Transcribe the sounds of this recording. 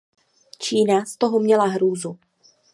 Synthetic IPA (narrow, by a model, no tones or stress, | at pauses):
t͡ʃiːnast̪oɦɔmɲɛlaɦɾuːzu